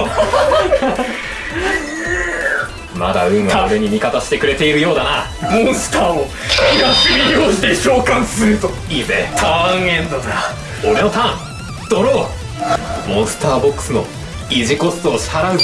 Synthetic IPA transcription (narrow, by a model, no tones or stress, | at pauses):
mad̪aɯ̟̃ŋ̃ɡabeɲ̟imʲikat̪aɕi̥t̪e̞kɯ̟ɾe̞t̪e̞iɾɯ̟jo̞ːd̪ana | mõɰ̃sɨ̥t̪aːo | kiɡasɨɾʲijoːɕi̥t̪e̞ɕo̞ːkãɰ̃sɨɾɯ̟t̪o | iːzet̪ʰaŋẽnd̪oza | o̞ɾe̞no̞t̪ãŋ | d̪̥o̞ɾoː | mõ̞ɰ̃sɨ̥t̪aːbo̞kːɯ̥sɨno̞̰ | iʑiko̞sɨ̥t̪oːɕi̥haɾaɯ̟